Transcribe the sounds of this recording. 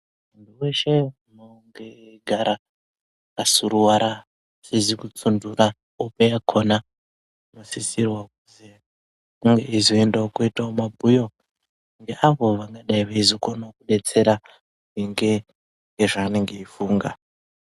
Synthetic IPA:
ndiweʃe | moŋɡeɡʱaɾa | kasuɾuwaɾa | sezikut͡sundura | opejakʰona | mosisirwakuzi | uŋɡeizoendaokuitaomabʱujo̞ | ŋɡeʔaʋo̞ʋaŋɡaɗaiʋaizokonokuɗet͡se̞ɾa | iŋɡe | ŋɡeʐaːneŋɡeifuːŋɡa

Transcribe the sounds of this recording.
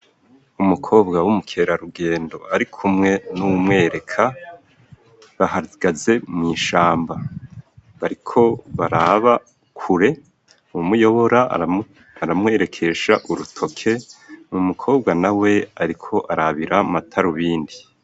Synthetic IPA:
umukʰo̞ːbɡawumukʰe̞ɾaɾuɡe̞ːndo̞aɾikʰumŋe̞nuumŋe̞ːɾe̞kʰa | βahaɡ̥aze̞mŋiːʃaːmba | βaɾikʰo̞βaɾaβa | kʰuɾe̞ | umujo̞βo̞ɾa̰ | aɾamŋe̞ːɾe̞kʰe̞ʃaʔuɾutʰo̞kʰe̞mumukʰo̞ːbɡanawe̞aɾikʰo̞ʔaɾaβiɾamatʰaɾuβiːndi

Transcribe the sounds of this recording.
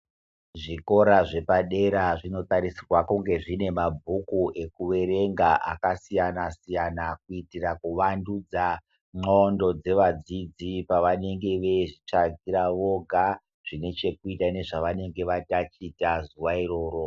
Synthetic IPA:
ʐiko̞ɾaʐe̞paɗe̞ɾaʐino̞t̪aɾisirwakuŋɡe̞ʐine̞mabʱukuʔe̞kuʋe̞ɾe̞ŋɡaʔa̰kasijanasijanak̚uitirakuʋandud͡za | ŋ͡ǃondo̞d͡ze̞ʋad͡zid͡zipaʋane̞ŋɡe̞ʋe̞ʐit͡ʂaɡʱiɾaʋo̞ɡʱa | ʐ̥ine̞t͡ʃe̞kuitane̞ʐaʋane̞ŋɡe̞ʋatat͡ʃitazuwairo̞ːɾo̞

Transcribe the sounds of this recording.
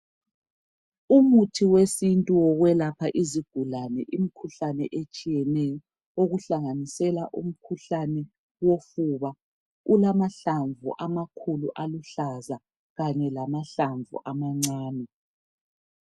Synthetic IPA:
umutʰiwesintʼuwɔɣwɛlapʰaʔiziɡ̥ʱulanɛ̰ʔim̩kʰuɬanɛʔet͡ʃʼijɛnɛjɔ | oɣuɬaŋanisɛlaʔṵm̩kʰuɬanɛ | wofuβa | ulamaɬaɱvṵʔamakʰuluʔaluɬaza | ɣaɲɛlamaɬaɱvṵʔamaŋ͡ǀaːnɛ

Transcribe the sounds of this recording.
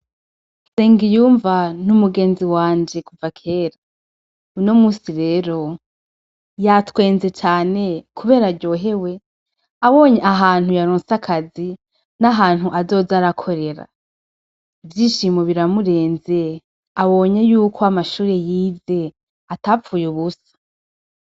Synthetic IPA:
seːŋɡijuːɱvanumuɡe̞ːnziwaːɲd͡ʒe̞kuvakʰe̞ːɾa | uno̞muːsiɾeːɾo̞ | jatwe̞ːnze̞t͡ʃaːne̞kʰuβe̞ːɾaɾɟo̞ːɦe̞we̞ | aβo̞ɲe̞aɦaːn̥hujaɾoːnsakʰazi | naɦaːn̥huʔazo̞ːzaɾakʰo̞ɾe̞ɾa̰ | ivjiːʃimoβiɾamuɾe̞ːnze̞ | aβo̞ːɲe̞juːkʰoamaʃuːɾe̞jiːze̞ | atafuːjuβusḁ

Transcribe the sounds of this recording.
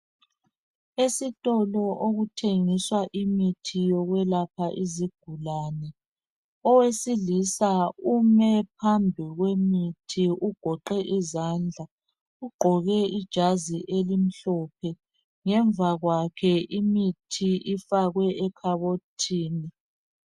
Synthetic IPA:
esitʼɔlɔʔoɣutʰeŋiswaʔimitʰijɔɣwɛlapʰaʔiziɡ̥ʱulanɛ | ɔwesilisaumɛpʰambʱiɣwemitʰiʔuɡ̥ʱɔǃɛʔizand͡ɮʱa | uɡ͡ǃʱɔɣɛid̥ʒ̥ʱaziʔelim̩ɬɔpʰɛ | ŋɛɱvaɣwakʰɛʔimitʰiʔifaɣwɛɛkʰaβotʰiːni

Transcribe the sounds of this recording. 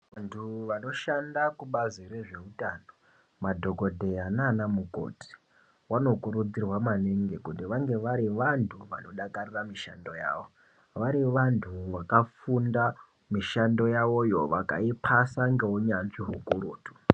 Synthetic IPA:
ʋantʰuʋano̞ʃandakuɓazireʐe̞utaːno | madʱo̞ko̞dʱe̞ananamuɡʱo̰ti̥ | wano̞kuɾud͡zirwamaneŋɡekutiʋaŋɡe̞ʋaɾiʋantʰuʋa̰no̞ɗakariramiʃa̰ndo̞ja̰ːʋo̞ | ʋaɾiʋantʰuʋakafunda | miʃando̞jaʋo̞jo̞ʋa̰ka̰ipʰasaŋɡe̞uɲanʐiɦukuruːtu̥

